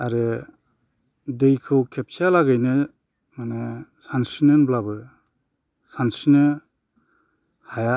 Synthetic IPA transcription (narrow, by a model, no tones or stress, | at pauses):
aɾe | dejkʰɯwkʰep̚sjalaɡajnɯ | manesansinɯnblabɯ | sansinɯ | haja